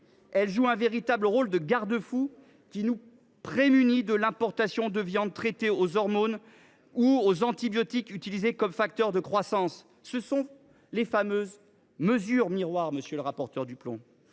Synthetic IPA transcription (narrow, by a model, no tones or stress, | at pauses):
ɛlʒuɛ̃veʁit̪abləʁold̪əɡaʁd̪əfu | kʲinu | pχemynid̪əlɛ̃pɔʁt̪asjɔ̃d̪əvjɑ̃d̪̚t̪χɛt̪eozɔʁmon | uozɑ̃t̪ibjɔt̪ikyt̪ilizekɔmfak̚t̪œʁd̪əkχwasɑ̃sː | əsɔ̃ | lefamøz | məzyʁmiʁwaʁməsjələʁapɔʁt̪œʁd̪yplɔ̰̃